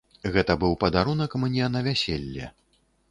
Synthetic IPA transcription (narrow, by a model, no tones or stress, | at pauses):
ɣɛt̪ɐbɨwpɐd̪aɾunɐkmɨnʲiɛnɐvʲasʲelʲːɛ̰